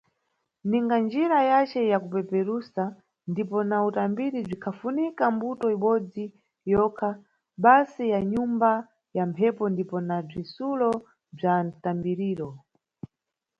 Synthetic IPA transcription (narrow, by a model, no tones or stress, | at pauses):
niŋɡand͡ʒiɾajat͡ʃɛjakupɛpɛɾusa | ndipɔnautambiɾib͡ʐikʰafunikambutɔiɓɔd͡zi | jɔkʰa | ɓasijaɲumba | jampʰɛpɔndipɔnab͡ʐisulɔ | b͡ʐantambiɾiːɾɔ